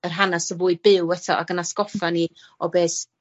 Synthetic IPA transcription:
ərɦanasəvuːɨbɪwɛtʰɔa̰ɡənaskɔfaniɔbeːs

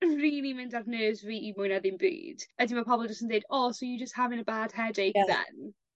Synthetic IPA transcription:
riːnimɪndarnəːzviːimʊjnaðɪnbḭːd̥ədimapʰɔbɔlˠdd͡ʒəstəndejdɔːsɔjud͡ʒəsthavɪnəbaːd̥hɛdejkðɛ̰n

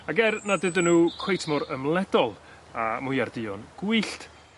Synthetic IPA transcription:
aɡɛrnadɨdənuːkʰwejtʰmɔɾəmlˠɛdɔlˠ | amʊjardɨɔnɡ̥uɨɬt

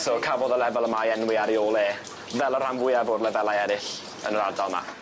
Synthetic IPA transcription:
soːkʰavɔðəlɛvɛlˠəmajɛnwɪaɾioːlˠeː | vɛlˠər̥amvʊɨavoːdlɛvɛlˠaɛɾɪɬ | ə̰nəɾardalˠma̰

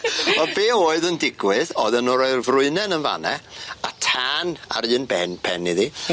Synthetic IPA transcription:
ɔbeːoːɨðəndɪɡwɨðɔðənɔɾɔrvrʊɨnɛnənva̰nɛatʰana̰ɾɨːnbɛnpʰɛniði

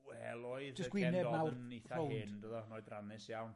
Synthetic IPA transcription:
wɛlˠoɨðd͡ʒəsɡwɪnɛbmawejθaowɪndəðɔnɔɨdranɪsjawn

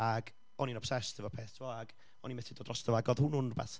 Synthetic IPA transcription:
aɡ | ɔninɔpsɛstʰɪvɔpʰeːθtʰɪvɔaɡ | ɔnimɛtɪdodrɔstəvɔaɡɔðhʊnʊnba̰θ

